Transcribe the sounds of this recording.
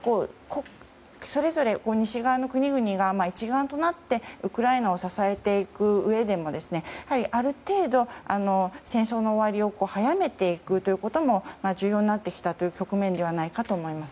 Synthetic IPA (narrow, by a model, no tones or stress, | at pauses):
ko̞ːko | so̞ɾe̞zo̞ɾe̞ko̞ːɲ̟iɕiɡaːno̞kɯ̟ɲ̟iɡɯ̟ɲ̟iɡamait͡ɕiɡãnt̪o̞nat̪ːe̞ɯ̟kɯ̟ɾaenao̞sasae̞t̪e̞ikɯ̟ɯ̟e̞d̪e̞mo̞d̪e̞sɨne̞ahaɾʲiʔaɾɯ̟t̪e̞ːd̪o̞ano̞sẽɰ̃so̞ːno̞ːβaɾʲio̞ko̞ːhajame̞t̪e̞ikɯ̟t̪o̞jɯ̟ko̞t̪o̞mo̞maʑɨːjo̞ːɲinat̪ːe̞kʲi̥t̪at̪o̞jɯ̟kʲo̞kɯ̟mẽ̞nd̪e̞βanaikat̪o̞ːmo̞imasɨ̥